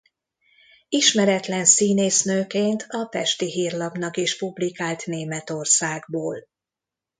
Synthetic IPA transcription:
iʃmɛɾɛt̪lɛnsiːneːsnøːkeːnt̪ʰɒpɛʃt̪iɦiːrlɒbn̪ɒkiʃpublikaːlt̪neːmɛt̪o̞rsaːɡboːl

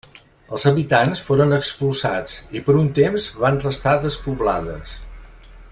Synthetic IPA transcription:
əlˠzəβit̪ansfoɾənəkspulˠsat͡sipəɾunt̪emzβanrəst̪aðəspuβla̰ðə̰s

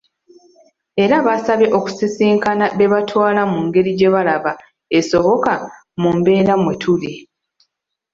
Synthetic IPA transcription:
e̞ɾaβasaβe̞ʔo̞ku̥sisiːŋkanaβe̞βatʰwaːlamuŋɡe̞ɾiɟe̞βalaβa | esoβo̞ka | mumbe̞ːɾamwe̞tʰuli

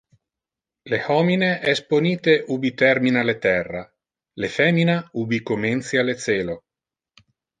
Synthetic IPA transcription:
lehɔmineʔɛsponiːt̪eʔubit̪ɛrminalet̪ɛrːa | lefɛːminaubikoment̪sialet̪sɛːlo

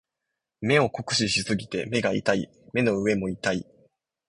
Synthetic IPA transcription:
me̞o̞ko̞kɯ̟̥ɕiɕisɨɡʲit̪e̞me̞ɡaḭt̪aḭ | me̞no̞ɯ̟e̞mo̞it̪ai

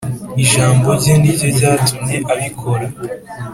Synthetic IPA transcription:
iʒaːmbo̞ɾɟiːndiɟoɟaːtumɲe̞ʔaβikʰo̞ɾa

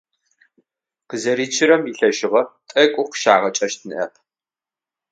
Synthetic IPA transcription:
qəzɐɾiːt͡ʃʰɪɾɐmiɬɐʒɪʁɐtʼɐkʷʼʊqʃaːʁɐt͡ʃʼɐʃt̚ʰnɨʔɐ̰pʰ

